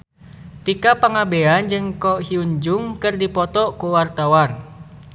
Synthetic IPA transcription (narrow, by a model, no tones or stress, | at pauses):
t̪ikapaŋabeand͡ʒɨŋkɔhiuɲd͡ʒuŋkɨrdipɔt̪ɔkuwart̪awan